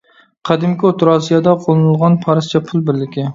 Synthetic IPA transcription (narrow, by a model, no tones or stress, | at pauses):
qʰɑd̪ɪmkʲɪot̪ʰɾɑsijɑd̪aqʰolˠɨnɨlˠʁɑnpʰɑɾɨst͡ʃʰɛpʰʊlˠbɪɾlɪkʲɪ